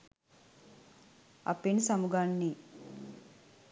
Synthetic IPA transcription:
ɐ̰pinsɐmuɡaːnːi

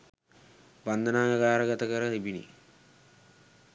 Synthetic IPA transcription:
band̪ənaːjaɡaːɾəɡat̪əkəɾəɦibinḭ

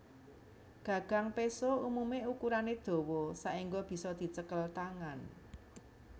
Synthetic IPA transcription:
ɡ̥ä̤ɡ̥a̤ŋpesoumumeukuɾaned̪̥o̤wɔsaʔiŋɡɔb̥i̤sɔd̪̥i̤t͡ʃəkəlt̪aŋan

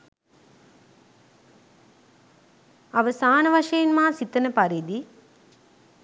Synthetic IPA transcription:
aʋəsaːnəʋaʃəjenmaːsit̪ənəpaɾiːd̪i

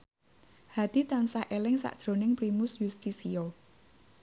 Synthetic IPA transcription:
had̪̥it̪ansaʔelɪŋsa̰ʔd̥ʒ̥ɾo̤nɪŋpɾimʊsjust̪isio

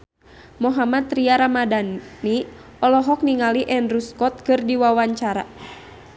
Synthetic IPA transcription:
mɔɦamat̪ɾiaɾamadanːi | ɔlɔɦɔk̚niŋaliʔɛnruskɔt̪̚kɨrdiwawaɲt͡ʃaɾa̰

